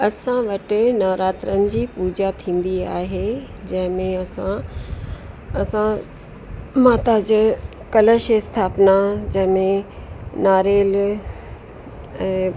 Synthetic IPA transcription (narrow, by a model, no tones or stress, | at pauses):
ɐsãʋɐʈɪ̆nɐːɾaːt̪ɾənɪ̆d͡ʑiːpuːd͡ʑat̪ʰĩːn̆d̪ia̰ːɦe | d͡ʑɐ̃ɦɪ̃mẽɐsã | ɐsã | maːt̪ad͡ʑ | kɐləʃest̪ʰaːpnad͡ʑɐ̃ɦɪ̃mẽ | naːɾeːl | ɛ̃ː